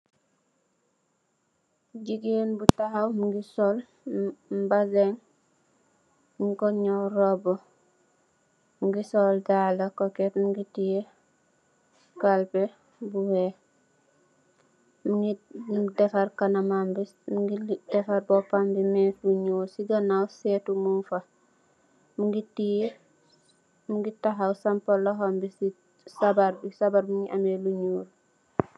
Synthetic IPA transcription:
ɟiɡenbutahawmuɡisol | m̩bazeŋ | mikoɲoɾobo | mɡisoldalakoketmuɡitije | kalpe | buwe | muŋɡidɛfɐɾkɐnamambi | muɡidɛfɐɾbɔpambimɛfluɲuːɾsiɡɐnawsɛtumunfɐ | muŋɡitije | muŋɡitaɦawsɐmpɐlɔɦɔmbisi | sabaɾbisabaɾmuŋɡiʔɐmeluɲuːl

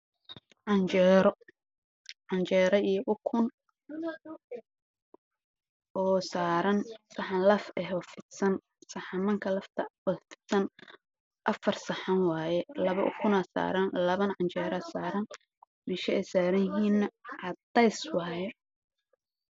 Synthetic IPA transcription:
ʕɑnt͡ʃɛːɾɔ | ʕɑnt͡ʃɛːɾɐijɔʔʊkʰʊn | ʔɔːsaːɾɐnsɐħɑnlɐfɛɦɔfɪd̪sɐn | sɐħɑmɐŋkʰɐlɐft̪ʰɐwɐfɪ̥d̪sɐn | ʔɐfɐrsɐħɑnwɑːjɛlɐβɐʔʊ̰kʰʊnɐːsa̰ːɾɐnlɐβɐnʕɑnt͡ʃɛːɾɐsaːɾɐn | mɛʃɐɛjsaːɾɐjɪɦiːnːɐʕɑd̪ɛjswɑːjɛ

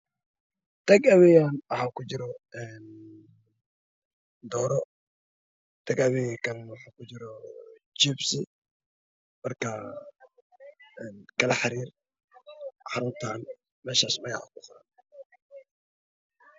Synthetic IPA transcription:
t̪ʰɐɡɐβɛjaːnwɑħaːkʰʊd͡ʒɪɾɔɛːn | d̪ɔːɾɔ | t̪ʰɐɡɐβɛjkʰɐnwɑħaːkʊd͡ʒɪɾɔ | t͡ʃɪbsɪ | mɐrkɐ | ɛːnkʰɐlɐħɑɾiːr | ħɑɾʊnt̪ʰaːn | mɛːʃaːsmɐjha̰kʊqʊɾaːn

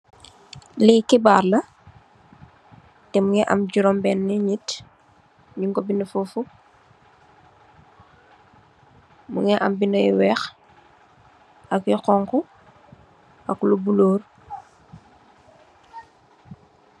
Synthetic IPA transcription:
likibaːɾlɐ | tɛmuŋɛʔa̰mɟuɾɔmbɛnːiɲit | ɲiŋɡobinəfufu | muŋɛʔa̰mbinəjwɛːx | akjɔqɔŋku | ʔaklubuloːɾ

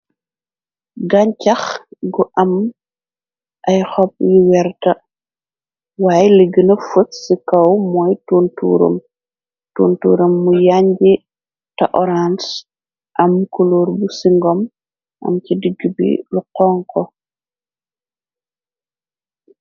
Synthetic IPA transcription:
ɡaɲt͡ʃɐxɡuʔɐm | ʔɐjxɔp̚jiwɛɾtɐ | waːjliɡənɐfutsikɐwmɔjtuːntṵːɾṵm | tuntṵːɾɐmːujaɲd͡ʒi | tɐʔɔɾans | ʔɐmːkuluɾbusiŋɡɔm | ʔɐ̰mcidiɡːibḭluqɔːŋkɔ

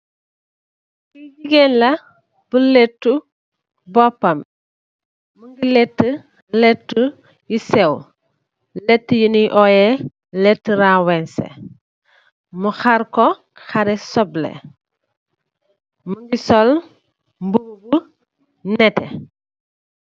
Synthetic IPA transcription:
kiɟiɡenlɐ | b̥ulɛtːu | bɔpːɐm | muŋɡilɛtːə | lɛtːu | jisɛw | lɛtːəjuniʔɔjɛ | lɛtːəɾawɛnsɛ̰ | muxaɾkɔ | xaɾɛsɔblɛ̰ | muŋɡisɔl | mbuɡu | nɛtɛ

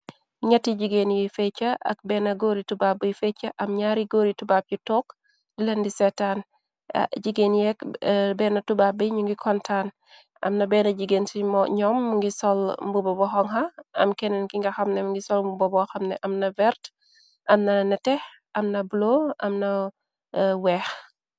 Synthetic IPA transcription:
ɲɐtːiɟiɡenjɛfɛt͡ʃːɐʔɐ̰k̚bɛːnɐɡoːɾitubabəjfɛt͡ʃːɐʔɐmɲaːɾiɡoːɾitubap̚jutɔːk | dilɐndisɛtaːn̰ | ɟiɡeːnjɛkbɛːnɐtubabəjɲuŋɡikʰɔntʰaːn | ʔɐ̰mnɐbɛːnɐɟiɡensimɔɲɔmːuŋɡisɔlmbubɔbɔxɔŋɦɐɐmkɛnɛnkiŋɡɐxɐmnɛmŋɡisɔlmbubɔbɔxɐmnɛʔɐmnɐvɛɾt | ʔɐmnɐnɐtɛh | ʔɐmnɐbloʔɐmnɐ | wɛːx

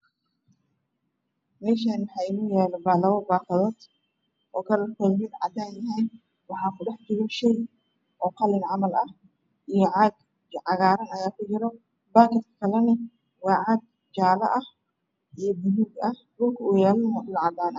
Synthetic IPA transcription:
mɛːʃaːnwɑħɑjɪnujɛːlɔbaːlɐwɔbaːkɐðɔːd̪ | ʔɔːkʰɐlɐkʰɔlmɪd̪ʕɑ̰d̪aːnjɐɦɛjn | wɑħɑːkʰʊɗɐħt͡ʃɪɣɔʃɛj | ʔɔːqɑlɪnʕɑmɐlɐh | ʔijɔʕɑɡ | ʕɑɣaːɾɐnɐjaːkʊt͡ʃɪɾɔ | baːkɪt̪kʰɐ̥kʰɐlɐnɪ | wɑːʕɑɡ̪̚ | d͡ʒaːlɐ̰ʔɐh | ʔijɔbʊluːɡɐh | buɡuːjaːlmɐħlɐʕɑd̪aːnɐ

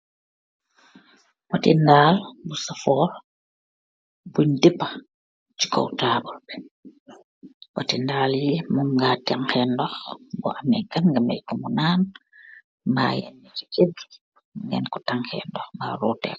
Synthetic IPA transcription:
watindaːlbusafɔːl | buɲdipːa | t͡ʃi̥kɔ̰wtaːbɔlbɛ | wa̰tindaːljimuŋɡataŋhxɛndɔxbɔ̰ʔamɛkanɡamɛ̰jkumunaːn | ma̰jɛ̰nit͡ʃi̥kebi̥ | ŋɡɛ̰nkɔ̥taŋhɛ̰ndɔxma̰ɾɔtɛ̰k

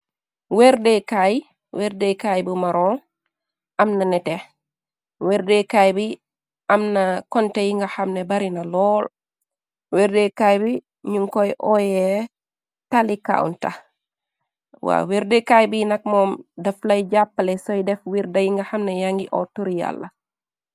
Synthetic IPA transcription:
wɛɾdekaj | wɛɾdɛjkajbumaɾɔːl | ʔɐmnɐnɛte | wɛɾdɛkajbi | ɐmnakɔntɛjiŋɡahamnɛbaɾinalɔːl | wɛɾdɛkajbi | ɲuŋkɔjʔɔjɛ | talika̰ṵnta̰ | wa̰wiɾdekajbinak̚mɔːmdɐflajd͡ʒapːalɛsɔjdɛfwiɾdajiŋɡahamnɛjaŋɡiʔɔ̰toɾija̰lːa

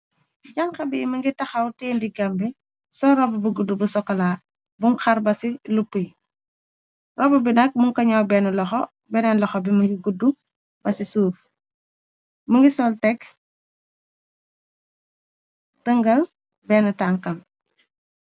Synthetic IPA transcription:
ɟɐŋkɐbimɐŋɡitɐxɐwteːndiɡɐmbi | sɔɾɔbubuɡudubusɔkːɐlaː | buŋxɐɾbɐsilupːuj | rɔbubinɐk̚muŋkɐɲɐwbɛnulɔxɔ | bɛnɛnlɔxɔbimɐŋɡiɡudu | bɐsisuːf | mɐŋɡisɔltɛk | təŋɡɐl | bɛnutaŋkɐm

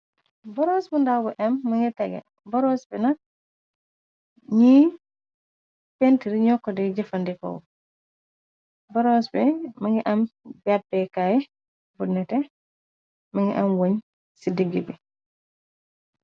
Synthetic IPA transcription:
bɔɾɔsbundabuʔɛmːɐŋɡitɛɡɛ̰ | bɔɾɔsbinak̚ | ɲi | pentiɾiɲɔkːɔdɛɟɛfandikɔ̰w | bɔɾosbimaŋɡiʔambabːɛkajɛ | bunːɛtɛ | maŋɡḭʔamwoɲ | sidiɡibi

